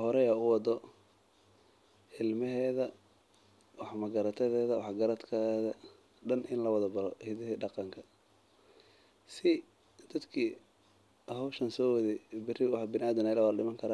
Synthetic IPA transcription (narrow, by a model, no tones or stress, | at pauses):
hɔɾɛjaʊwɑd̪ɔ | hɪlmɛɦɛːðɐ | wɑħmɐɡɐɾɐt̪ʰɐðɛːðɐwɑħɡɐɾɐd̪kʰɐðɐ | ɖɐnʔɪnlɐwɑðɐbɐlɔhɪðɪɖɑqɑŋkʰɐ | sɪ | d̪̥ɐd̪kʰiː | hɔwʃɐnsɔːwɐðɛbɪrɪwɑħbɪnaːd̪ɐnɪlawaːlɗɪmɐŋkʰɐɾaː